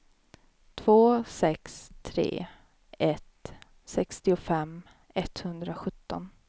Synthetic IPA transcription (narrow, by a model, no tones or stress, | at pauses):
t̪ʰv̥oːsɛkst̪ʰɾḛː | ɛt̪ | sɛkst̪ɪʊfɛm | ɛt̪hɵnd̪ɾaɧɵt̪ːɔn